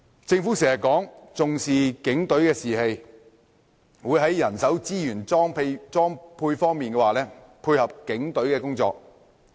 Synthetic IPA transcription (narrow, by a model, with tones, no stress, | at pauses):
t͡sɪ˧ŋfuː˨˥sɛː˨˩jɐ˨kɔː˨˥ŋt͡sʊ˨ŋsiː˨kɪ˨˥ŋt̪ɵ˨˥ɥkɛː˧siː˨˩he˨j | wuː˨˧jɦɐ˨˥jːɐ˨˩nsɐ˨˥wt͡siː˥jyː˨˩nː˥ŋpʰe˧jt͡sɔː˥ŋpʰuː˧jfɔː˥ŋmiː˨nkɛː˧waː˨lɛː˥ | pʰuː˧jhɐ˨p̚kɪ˨˥ŋt̪ɵ˨˥ɥkɛː˧kʊ˥ŋt͡sɔ̰ː˧k̚